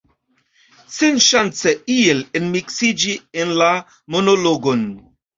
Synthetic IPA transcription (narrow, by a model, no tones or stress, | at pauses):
senʃant͡seielenmiksid͡ʒienla | monoloɡon